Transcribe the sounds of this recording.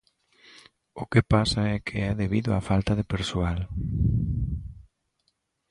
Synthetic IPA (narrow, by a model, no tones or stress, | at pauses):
okepasaɛkʰeɛðeβiðoafalt̪aðepeɾsoal